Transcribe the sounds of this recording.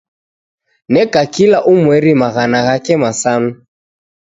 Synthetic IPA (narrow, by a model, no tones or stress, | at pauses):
nɛkakilaʔumwɛɾimaɣanaɣakɛmasama